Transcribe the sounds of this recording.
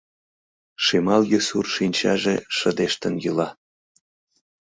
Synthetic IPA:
ʃimɑljøsurʃinʲt͡ɕɑʒeʃəd̪eʃt̪ənjylɑ

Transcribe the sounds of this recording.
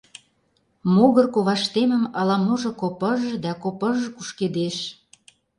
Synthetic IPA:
moɣə̆rkoβɑʃt̪emə̆mɑlɑmoʒɤ̆kopə̆ʒɤ̆d̪ɑkopə̆ʒɤ̆kuʃked̪eʃ

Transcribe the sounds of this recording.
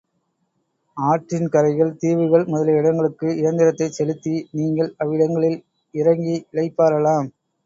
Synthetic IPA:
aːʈrɪnkɐɾɐɪɣɐɭt̪iːʋɯɣɐɭmʊðɐlɐɪɽɐŋɡɐɭɯkːɯɪɾɐnd̪ɪɾɐt̪ːɐɪsɛlɯt̪ːiniːŋɡɐɭɐʋɪɽɐŋɡɐɭɪl | ɪɾɐŋɡiɪlɐɪpːaːɾɐlaːm

